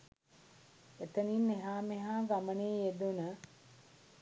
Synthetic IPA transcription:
et̪əninːeɦaːmeɦaːɡaməneːjed̪unə

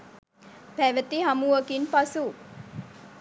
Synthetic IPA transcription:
pæʋət̪iɦamuʋəkinpasu

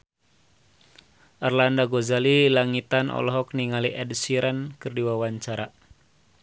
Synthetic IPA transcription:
ʔarlandaɡozalilaŋit̪anɔ̰lɔɦɔk̚niŋaliʔɛdsiɾɛnkɨrdiwawaɲt͡ʃaɾa

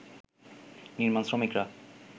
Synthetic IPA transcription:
niɾmansɾomikɾa

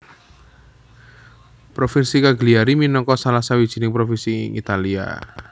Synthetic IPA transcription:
pɾofɪnsikaɡliaɾiminɔŋkɔsalasawid̥ʒ̥i̤nɪŋpɾofɪnsḭŋḭt̪alia̰

